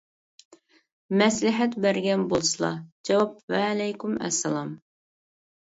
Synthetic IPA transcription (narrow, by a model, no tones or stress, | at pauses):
mɛslɪħɛt̪bæɾɡʲɛnbolˠsɨlˠɑ̰d͡ʒɛwɑp̚vɛlɛjkumɛ̰sːɛlˠɑm